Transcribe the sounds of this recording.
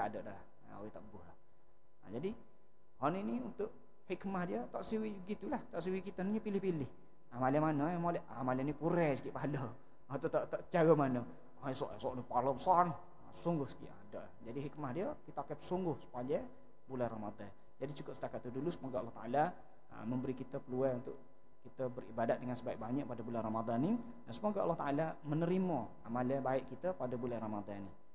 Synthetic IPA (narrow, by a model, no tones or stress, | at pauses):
aadɔʔda̰ | o̰wɛt̪aʔbʊhla | a̰d͡ʒadi | hɔniniunt̪ʊʔ | hikmahdiət̪aʔsiwibəɡit̪ulaht̪aʔsiwikit̪aniɲəpilɪhpilɪh | amalamanəjamolɛʔa̰malanikuɾɛsi̥kiʔpalɔ | at̪ot̪aʔt̪aʔt͡ʃaɡəmanə | aɛsɔ̰ʔsɔʔnipalɔpsan | suŋɡʊhskḭʔa̰daʔ | d͡ʒadiɦikmahdiəkit̪əakəpsuŋɡʊhsə̥paɲa | bulanramad̪an | d͡ʒadit͡ʃukʊʔsə̥t̪akat̪ːudulusəmoɡaʔlːɔht̪aʔala | ə̰məmbəɾikit̪əpəluaunt̪ʊʔ | kit̪əbəribadat̪̚dəŋansəbaɪk̚baɲaʔpadəbulanramad̪anːi | dansəmoɡaʔa̰lːɔht̪aʔalamənəɾimə | amalabaɪʔkit̪əpadəbulanramad̪annːi